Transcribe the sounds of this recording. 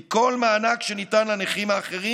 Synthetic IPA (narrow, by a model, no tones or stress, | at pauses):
ko̞lmaːnakʃe̞nitanlaneχimaːχe̞ʁi